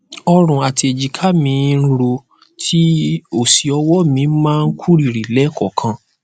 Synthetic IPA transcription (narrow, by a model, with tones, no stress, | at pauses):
ɔ˧ɾ̃ũ˨a˨ti˧e˨d͡ʒi˨kʰa˦mĩ˨˧˦ɾo˧ | tʰi˦o˦˨si˨ɔ˧wɔ˦mĩ˧˦mãː˦˧n̩˦kʰu˦ɾi˨ɾi˨lɛ˨˦kɔ˦˨kʰã˧